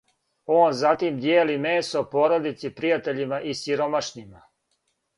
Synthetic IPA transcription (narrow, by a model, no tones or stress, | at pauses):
o̞ːnzat̪imd̪jeːlimeːsopo̞ːɾod̪it̪sipɾijat̪e̞ʎimaʔisiɾo̞maʃnima